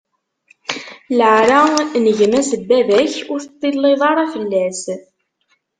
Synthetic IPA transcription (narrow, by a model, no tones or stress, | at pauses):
ləʕɾanəʝmæsəbːæðæçʊɾθət̪ˤːilːeðˤɑɾˤæfəlːæs